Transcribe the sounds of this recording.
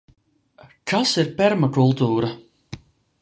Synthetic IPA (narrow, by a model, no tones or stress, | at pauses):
kʰasiɾpɛɾmakulˠt̪uːɾa